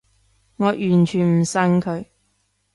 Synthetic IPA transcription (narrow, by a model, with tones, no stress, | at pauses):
ŋɔː˨˧jʔyː˨˩nt͡ʃʰyː˨˩nm̩˨˩sɐ˧ŋkʰɵ˨˧ɥ